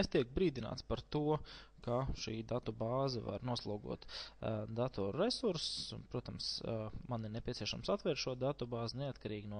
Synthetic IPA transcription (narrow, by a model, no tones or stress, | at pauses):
est̪iɛk̚bɾiːd̪ina̰ːt̪spaɾt̪uɔkaʃiːd̪at̪ubaːzava̰ɾnuɔslˠuːɡṵɔt̪d̪at̪ɔɾɾesuɾspɾuɔt̪amsmaniɾnepʲiɛsʲiɛʃamsat̪ʋɛɾt̪ʃuɔd̪at̪ubaːznɛat̪kaɾiːɡnuɔ